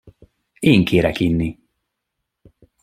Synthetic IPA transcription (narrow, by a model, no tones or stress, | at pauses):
eːŋkʰeːɾɛkinːi